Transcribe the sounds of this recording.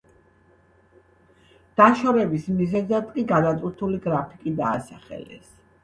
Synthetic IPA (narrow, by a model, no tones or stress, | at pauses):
d̪̥aʃɔɾɛbismizɛzat̪kʼiɡad̪at̪ʼuɾt̪ʰuliɡɾapʰikʼid̪aːsaχɛ̰lɛ̰s